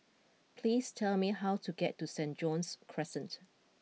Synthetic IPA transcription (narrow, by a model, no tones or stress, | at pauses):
pʰliːstʰɛlmiɦawtʰuɡɛtːusɛ̃nd͡ʒɔ̃nskʰɹɛsə̃nt